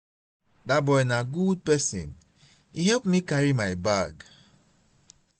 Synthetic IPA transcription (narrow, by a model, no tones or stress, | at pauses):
dabɔjnaɡud̚pɛsḭ̃n | ihɛlp̚mikaɹimajbaɡ